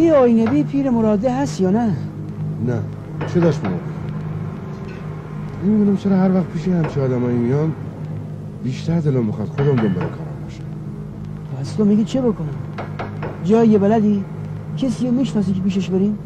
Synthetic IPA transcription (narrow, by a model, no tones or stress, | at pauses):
ijɒjnebiːpʰiːɾemoɾɒːd̪eɦæst̪jɒːnæ | næ | t͡ʃʰed̪ɒʃmemo̰ | imid̪unæmt͡ʃʰeɾɒːhæɾvæχt̪̚pʰiːʃehæmt͡ʃʰiɒːd̪æmɒːjimijɒm | biːʃt̪ʰæɾd̪elɑmbexɑsd̪xod̪æmb̪embeɾæ̰mʰɾbeʃæ | pʰæst̪omiɡiːt͡ʃʰebokʰoni | d͡ʒɒːjjebælæd̪iː | cʰesiːɾomiːʃnɒːs̬iːkʰepiːʃ̬eʃbeɾiːn